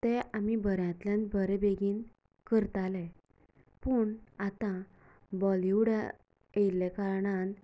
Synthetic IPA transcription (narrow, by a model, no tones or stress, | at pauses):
t̪ɛamibʱəɾjãt̪ljãnbʱəɾɛbeɡiːn | kəɾt̪alɛ | pəɳat̪ã | bɔliwɽa | ejlɛkaɾɳan